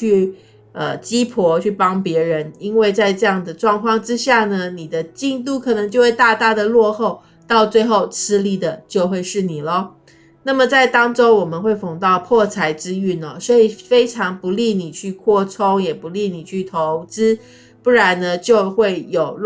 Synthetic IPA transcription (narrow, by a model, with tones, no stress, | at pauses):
y˥˩ | ə˧t͡ɕi˥pʰɔ˧˥t͡ɕʰy˥˩pɑ˥ŋpjɛ˧˥ɻə˧˦ni˥nwe˥˧ɪt͡sa˥˧ɪʈ͡ʂɤ˥˧jɑ˥˩ŋd̪ə˩ʈ͡ʂwɑ˥˧ŋkʰwɑ˥˩ŋʈ͡ʂɻ̩˥ɕja˥˩nə˩ni˨˩d̪ə˦t͡ɕi˥˧ŋt̪u˥˩kʰɤ˨˩nɤ˧˥ŋt͡ɕjo˥˧ʊxwe˥˧ɪt̪a˥˧t̪a˥˩d̪ə˨lwɔ˥˧xo˥˧ʊ | t̪ɑ˥˧ʊt͡swe˥˧ɪxo˥˩ʊt͡sʰɹ̩˥li˥˩d̪ə˩t͡ɕjo˥˧ʊxwe˥˧ɪʂɻ̩˥˩ni˨˩lə˦ | na˥˩mə˨˩t͡sa˥˩ɪt̪ɑ˥ŋʈ͡ʂo˥ʊwɔ˨˩mə˦nxwe˥˩ɪfʊ˨˩ŋt̪ɑ˥˧ʊpʰwɔ˥˩t͡sʰa˧˥ɪʈ͡ʂɻ̩˥y˥˩nə˩swɔ˧˥i˨˩fe˥ɪʈ͡ʂʰɑ˧˥ŋpu˧˦li˥˩ni˨˩t͡ɕʰy˥˧kʰwɔ˥˩t͡sʰo˥ŋjɛ˨˩pu˧˦li˥˩ni˨˩t͡ɕʰy˥˩t̪ʰo˧˦˥ʊt͡sɹ̩˥ | pu˥˩ɻa˧˥nnə˧t͡ɕjo˥˧ʊxwe˥˩ɪjo˨˩ʊ